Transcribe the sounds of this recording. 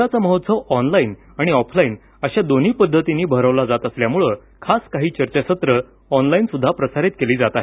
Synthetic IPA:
at͡səməɦot̪səʋɔnlain | aɽ̃iɔpʰlaiːn | əɕad̪on̤iːpəd̪ʱːət̪iniːbʱəɾəʋlad͡zat̪əsljamuɭə | kʰaskaɦiːt͡ɕəɾt͡ɕaɕət̪ɾə | ɔnlainsud̪ʱːapɾəsaɾit̪̚keliːd͡zat̪aɦe

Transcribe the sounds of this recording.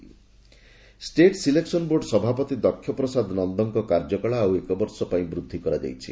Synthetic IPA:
sʈeʈsileksɔnboɾɖsɔbʱapɔt̪id̪ɔkʰːjɔpɾɔsad̪nɔnd̪ɔŋkɔkaɾd͡ʒɔkɔɭaːwekɔbɔɾsɔpaĩbɾud̪ʱːikɔɾad͡ʒa̰jt͡ʃʰḭ

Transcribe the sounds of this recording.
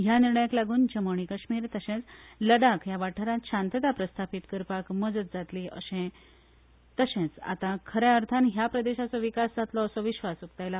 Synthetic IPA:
ɦjaniɾɳəjaklaɡuːnd͡ʑəməɳ̃ikəɕmiːɾt̪əɕẽt͡sləɽakjaʋaʈʰəɾãt̪ɕãnt̪əd̪apɾəst̪ʰapit̪kəɾpakməd͡zət̪̚d͡zat̪liʔə̰ɕẽ | t̪əɕẽt͡sa̰t̪ãkʰəɾɛəɾt̪ʰanɦjapɾəd̪eɕat͡sɔʋikasd͡zat̪lɔəsɔʋiɕʋasukt̪ajla

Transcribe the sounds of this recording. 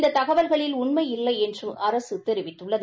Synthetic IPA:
nd̪ɐt̪ɐɣɐʋɐlɣɐɭɪlʊɳmɐɪɪlːɐɪɛndrɯmɐɾɐsɯt̪ɛɾɯʋɪʈːɯɭːɐð

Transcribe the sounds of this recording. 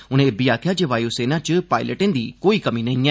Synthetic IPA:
ʊnẽːbijaːk̪ʰjaːd͡ʒeʋaːjoːseːnat͡ʃəpaːɪləʈɪ̃nd̪iːkoːiːkəmiːnɐĩɛ

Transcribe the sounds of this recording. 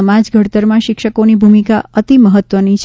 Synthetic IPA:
əmad͡ʒɡʱəɽt̪əɾmãʃɪkʃəkonibʱumikaət̪iməɦət̪ʋənit͡ʃʰ

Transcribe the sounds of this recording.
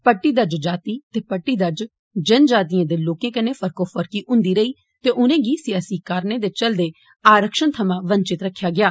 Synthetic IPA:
pəʈːiːd̪əɾd͡ʒd͡ʒaːt̪iːt̪eːpəʈːiːd̪əɾd͡ʒ | d͡ʒənd͡ʒaːt̪̬ijãːd̪eːloːkẽːkəneːpʰəɾkoːpʰəɾkiːʔʊ̃nd̪iːɾəiː | t̪eːʔʊnẽːɡiːsɪjaːsiːkaːɾneːd̪eːt͡ʃəld̪eː | aːɾəkʃənt̪ʰəmãːʋəɲt͡ʃɪt̪ɾəkʰːjaːɡɪjaː

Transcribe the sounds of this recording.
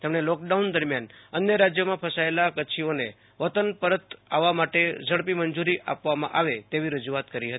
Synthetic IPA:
t̪emɳelɔk̚ɖaund̪əɾmjanənjəɾad͡ʒjəmãpʰəsaelakəːt͡ʃʰione | ʋət̪ənpəɾət̪aʋːamaʈed͡ʒəɽpimənd͡ʒuɾiʔa̰pʋamãʔaʋet̪eʋiɾəd͡ʒuat̪kəɾiɦət̪i

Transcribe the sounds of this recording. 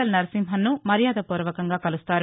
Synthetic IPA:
ɐlnɐɾɐsimɦɐnːumɐɾjaːd̪ɐpuːɾʋɐkɐŋɡaːkɐlust̪aːɾu

